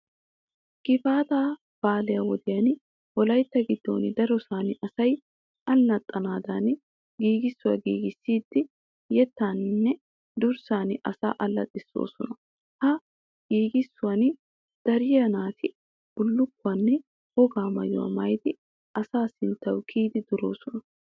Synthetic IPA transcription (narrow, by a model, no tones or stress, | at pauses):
ɡ̥ɪfaːt̪aː | b̥aːlɛjɐwɔd̪ɪjɐn | wɔlɐjt̪ːɐɡɪd̪ːo̰ːnɪd̪ɐɾɔsaːnɪʔɐsɐj | ɐlːɐt̪ʼːɐnaːd̪ɐn | ɡiːɡɪsːʊwɐ̰ɡiːɡɪsːiːd̪̥ːɪ | jɛt̪ːanːɛ | d̪ʊɾsaːnɪʔɐsa̰ːʔɐlːɐ̰t̪ʼːɪsːo̰ːsɔnɐ | hɐ | ɡ̥iːɡɪsːʊwɐn | d̪̥ɐɾɪjɐnaːt̪ʰɪ | b̥ʊlːʊkːʊɐnːɛ | hɔɡaːmɐ̰jʊ̰wɐ̰mɐjd̪ɪ | ʔɐsaːsɪnt̪ːɐwkʰiːd̪ɪd̪ʊɾo̞ːsɔnɐ